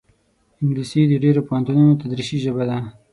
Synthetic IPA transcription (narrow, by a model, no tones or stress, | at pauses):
ɪŋɡlisid̪əɖeɾopohant̪unaot̪ad̪ɾiʃiʒəbad̪a